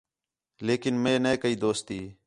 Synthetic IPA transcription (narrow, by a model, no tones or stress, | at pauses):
leːkɪnmẽːneːkəiːd̪oːst̪iː